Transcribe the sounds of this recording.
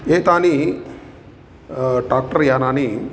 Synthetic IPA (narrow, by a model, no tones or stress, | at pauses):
eːt̪aːni | ɖaːk̚ʈɐɾjaːnaːni